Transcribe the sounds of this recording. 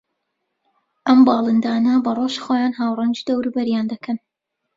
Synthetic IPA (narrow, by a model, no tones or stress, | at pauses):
ʔɐmbɑːlˠɨnd̪aːnɐbɐrˤoʃxoːjaːnɦaːwrˤɑnd͡ʒid̪ɐwɾubɐɾjaːnd̪ɐkʰɐn